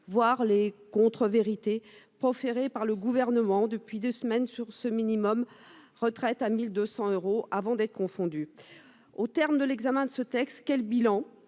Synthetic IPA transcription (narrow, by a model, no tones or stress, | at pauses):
vwaʁlekɔ̃t̪χəveʁit̪epχɔfeʁepaʁləɡuvɛʁnəmɑ̃d̪əpɥid̪øsmɛnsyʁsəminimɔm | ʁət̪χɛt̪amild̪øsɑ̃øʁoʔavɑ̃d̪ɛt̪χə̥kɔ̃fɔ̃d̪y | ot̪ɛʁmd̪əlɛɡzamɛ̃d̪əsət̪ɛkst̪kʲɛlbilɑ̃